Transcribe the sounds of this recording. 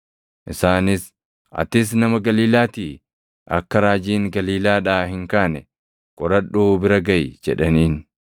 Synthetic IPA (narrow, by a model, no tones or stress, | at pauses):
ʔɪsaːnɪs | ɐ̰t̪ɪs̬nɐmɐɡɐliːlaːt̪iː | ʔɐ̰kːɐɾaːd͡ʒiːŋɡɐliːlaːᶑaːhɪŋkaːnɛ | kʼɔɾɐᶑːuːbɪɾɐɡɐjd͡ʒɛᶑɐniːn